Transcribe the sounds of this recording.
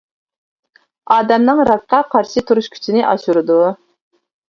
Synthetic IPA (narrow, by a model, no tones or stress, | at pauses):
ɑːd̪ɛmnɨŋɾɑk̪̚qɑqʰɑɾʃɨt̪ʰuɾuʃkʲʰy̥t͡ʃʰinɪʔɑ̰ʃuɾɨd̪u